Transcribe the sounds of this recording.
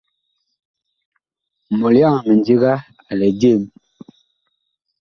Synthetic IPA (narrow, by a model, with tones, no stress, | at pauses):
mɔ˨lja˦˨ŋmə˨nd͡ʒi˦ɣa˦ | a˨lɛ˨de˦˨m